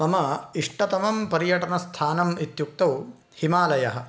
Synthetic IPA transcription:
ɐmɐiʂʈɐt̪ɐmɐmpɐɾjɐʈɐnɐst̪ʰaːnɐmit̪juk̚t̪ɐw | himaːlɐjɐɦɐ̆

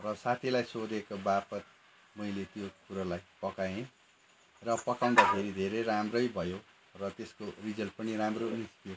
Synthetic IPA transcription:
rʌsat̪ʰilajsod̪ekobapʌt̪̚ | mʌilet̪jokuɾalajpʌkaẽ | rʌpʌkaw̃d̪apʰeɾid̪ʱeɾeɾamrʌjbʱʌjo | rʌt̪eskorid͡zʌlpʌniɾamroist̪jo

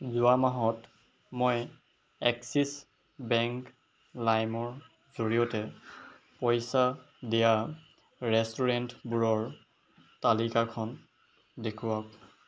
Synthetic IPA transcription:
zuamaɦɔt | mɔj | ɛksis | bɛŋk | lajmɔɹ | zoɹijɔtɛ | pɔjsa | dija | ɹɛstuɹɛntbuɹɔɹ | talikakʰɔn | dekʰuwak

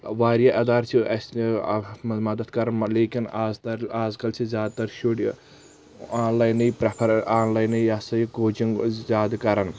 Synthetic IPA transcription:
ʋaːɾjaʔɐd̪aːɾt͡ʃʰiɐs | mmɐd̪ɐd̪kɐɾɐnleːkinazt̪ɐɾaːzkɐlt͡ʃʰizʲjaːd̪̚t̪ɐɾʃuɽ | aːnlaːjnɐjpɾɐpʰɐɾaːnlaːjnɐaːsɐiɡoːd͡ʒiŋzʲaːd̪kɐɾɐn

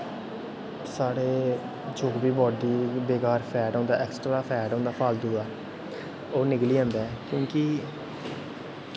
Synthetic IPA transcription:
saːɽeː | d͡ʒoːkbiːbɔːɖiːbeːkaːɾpʰɛːɖɔ̃ːnd̪aːʔɛːksʈɾaːpʰɛːɖãːnd̪aːpʰaːld̪uːd̪aː | oːnɪkliːɛ̃ːnd̪ɛːkjõːkɪ

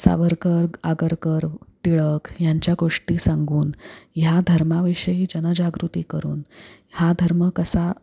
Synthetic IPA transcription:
sa̰ʋəɾkəɾɡaɡəɾkəɾt̪iɭəkjaɲt͡ɕjaɡoʂʈiːsãŋɡuːnjad̪ʱəɾmaʋiʂəɦid͡ʑənəd͡ʑaɡɾut̪iːkəɾuːnhad̪ʱəɾməkəsa

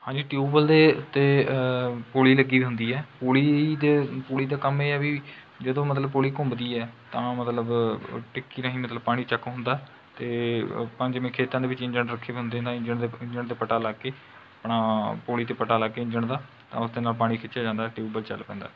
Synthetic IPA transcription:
hãːɲd͡ʒiːʈjuːbəld̪eːt̪eː | poːliːləɡiːʋiːɦʊ̃nd̪iːɛːpoːliːd̪eːpoːliːd̪aːkəmeːɛːʋiː | d͡ʒəd̪õːmət̪ləbpoːliːkʊ̃ːmbd̪iːɛːt̪ãːmət̪ləbʈɪkːiːnãːɦĩːmət̪ləb̚paːɽ̃iːt͡ʃəkːɦʊ̃nd̪aːɛ | t̪eːpəɲd͡ʒmẽːkʰeːt̪ãːd̪eːʋɪt͡ʃɪ̃ɲd͡ʒəɳɾəkʰːeːbiɦʊ̃nd̪eːɦnd̪aːɪ̃ɲd͡ʒəɳd̪eɪ̃ɲd͡ʒəɳt̪eːpəʈaːlaːkeː | əpɳaːpoːliːt̪eːpəʈaːlaːkeːɪ̃ɲd͡ʒəɳd̪aː | t̪ã̰ːʊsd̪eːnaːlpaːɽ̃iːkʰɪt͡ʃjaːd͡ʒãːnd̪aːʈiuːbəlt͡ʃəlpɛ̰̃ːnd̪a̰ː

